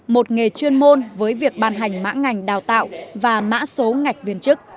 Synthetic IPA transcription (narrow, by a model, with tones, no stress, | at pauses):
mo˨˩t̚ŋe˨˩t͡ɕwi˧ənmo˧nvəː˨˦jvi˨˩ək̚ɓaː˧nɦa˨˩jŋ̟ma̰ː˧˥ŋa˨˩jŋ̟ɗaː˨˩wt̪a̰ː˧˨wvaː˨˩ma̰ː˧˥so˨˦ŋa˨˩jk̟̚vi˨˧˩ənt͡ɕɨ˦˥k̚